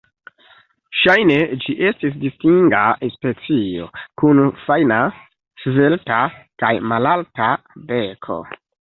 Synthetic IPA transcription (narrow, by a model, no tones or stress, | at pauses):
ʃajne̞d͡ʒiʔe̞stis̬distiŋɡaespe̞t͡sio̞̰kunfajna | sve̞ltakajmalalta | be̞kʰo̞̰